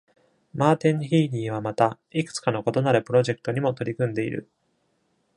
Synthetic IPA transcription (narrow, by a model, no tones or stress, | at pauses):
maːt̪ẽ̞ŋçiːɾʲĩːβ̞amat̪a | ikɯ̟̥t͡sɨ̥kano̞ko̞t̪o̞naɾɯ̟pɯ̟ɾo̞ʑe̞kɯ̥t̪o̞ɲ̟imo̞t̪o̞ɾʲikɯ̃nd̪e̞ḭɾɯ̟̰